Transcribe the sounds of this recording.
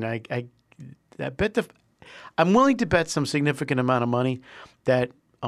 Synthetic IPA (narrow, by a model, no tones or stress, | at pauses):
naɪaɪ | ɨb̥ɛt̚ɨ | ãɪ̃mwɪlˠɪ̃ŋtɨbɛtsʌ̃msɨɡ̚nɪfɨkɨ̃ñɨmãʊ̃ɾ̃ʌvmʌɾ̃iðɨt̚